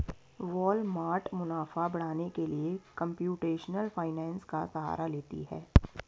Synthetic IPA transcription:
ʋɔːlmaːɾʈmʊnaːfabɐɽ̤aːnekeliekɐ̃mpjuːʈeːʃnəlfaːɪnɛ̃ːnskasɐɦa̰ːɾaleːt̪ḭɦɛː

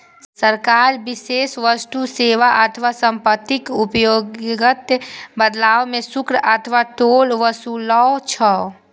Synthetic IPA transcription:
səɾkaːɾbɪseːsʋəst̪useːʋaʔət̪ʰʋasə̃mpət̪ːɪkʊpjoːɡɡət̪bəd̪laːʋmẽsʊkɾət̪ʰʋaʈoːlʋəsulɔt͡ʃʰɔː

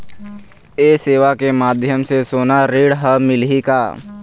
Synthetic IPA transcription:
eːseːʋakemaːd̪ʱjəmsesoːnaɾeːɽɦəmɪlɦika̰ː

